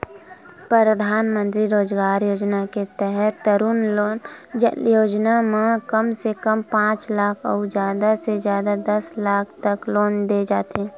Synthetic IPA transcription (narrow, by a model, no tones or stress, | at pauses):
pɾəɾəd̪ʱaːnmə̃nt̪ɾiɾoːd͡ʒɡaːɾjoːd͡ʒnaket̪ɛɦɛt̪ːəɾunloːnjoːd͡ʒnamẽkəmsekəmpãːt͡ʃlaːkʰɔːd͡ʒjaːd̪asezjaːd̪ad̪ɐslaːkʰt̪əkloːnd̪ed͡ʒaːt̪eɦɛ̃ː